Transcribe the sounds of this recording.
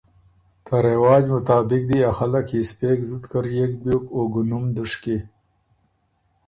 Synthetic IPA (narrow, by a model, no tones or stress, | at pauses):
t̪aɾewɑːd͡ʒmʊt̪aːbɪk̚d̪iaxalakʰispekzud̪kəɾjek̚bjokoɡunumd̪uʂki